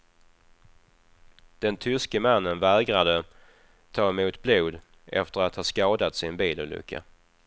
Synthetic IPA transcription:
d̪̥ɛnt̪ʰʏskəmanːənvæːɡɾad̪ə | t̪ʰɑːɛmuːt̪bluːd̪ | ɛ̰ft̪əɾat̪hɑːʂskɑːd̪at̪sɪnbiːlṵːlʏ̰kʰːa̰

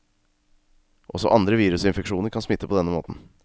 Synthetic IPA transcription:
ʔɔsɔ̰ʔɑnd̪ɾəʋiːɾʉsɪnfɛkʂuːnəɾkʰɑnsmɪt̪ːəpʰɔd̪ɛnːəmo̰ːt̪n̩

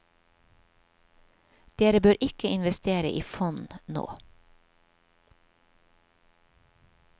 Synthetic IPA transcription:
d̪̥eːɾəbøːɾʔɪkəɪnʋɛst̪eːɾə̰ʔiːfɔnno̰ː

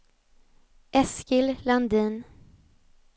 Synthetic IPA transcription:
ʔɛskɪlland̪iːn

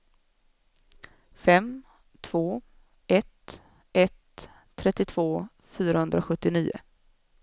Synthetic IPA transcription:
fɛm | t̪ʰv̥oː | ɛt̪ | ɛt̪ʰː | ɾɛt̪ːɪt̪ʰvoː | fyːɾahɵnd̪ɾaɧɵt̪ːɪniːʊ̰

